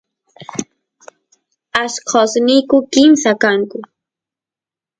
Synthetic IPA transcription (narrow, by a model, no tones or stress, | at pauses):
askʰosnijkʊkɪmsakaŋkʊ